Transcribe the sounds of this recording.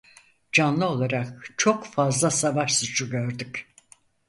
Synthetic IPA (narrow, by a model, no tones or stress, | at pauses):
d͡ʒanlˠɯo̞lˠaɾak̚t͡ʃʰo̞kfazlˠasavaʃsut͡ʃʰuɟøɾd̪yc